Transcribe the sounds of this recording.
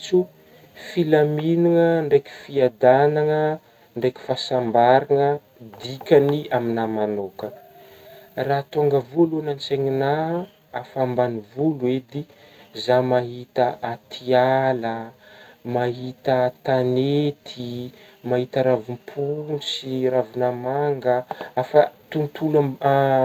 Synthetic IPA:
t͡su | filaminuŋəɳɖ͡ʐekʲi̥fiad̪anaŋə | ɳɖ͡ʐekʲi̥fasambaɾaŋə | d̪ikʲaniaminamanokə | raːt̪oŋɡəvulunant͡seŋinaː | fambanivulued̪i | zamaɦit̪əʔat̪ʰialə | maɦit̪ət̪anet̪ʰi | maɦit̪əɾavumpʰunsiravinamaŋɡəafət̪unt̪ʰula

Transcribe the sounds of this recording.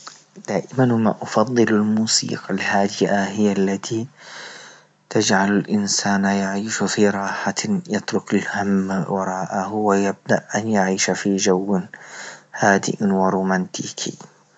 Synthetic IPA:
d̪̥aːʔɪmanhʊma̰ʔɑfɑðˤːɨlalmuːsḭːqalhaːd̪ɪʔaɦɪjːalːat̪ʰi | t̪ad͡ʒʕalalʔɪnsaːnajaʕiːʃfiɾˤɑːħajɪt̪ɾʊkalhamːawɑɾˤɑːʔahʊwajab̚d̪aʔʔanjaʕiːʃafid͡ʒawː | haːd̪ɪ̰ʔwɪɾˤuːmant̪ʰḭːkʰḭ

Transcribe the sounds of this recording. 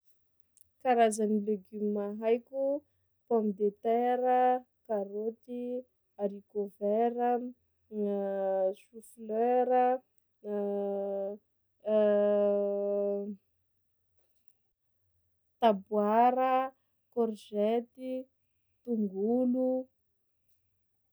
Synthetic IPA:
kaɾazanileɡymmaɦajkʲu | pɔmid̪et̪ɛɾə | kaɾot̪i | aɾikovɛɾə | ʃufløɾə | t̪abwaɾə | kɔrʒɛt̪i | t̪uŋɡulu

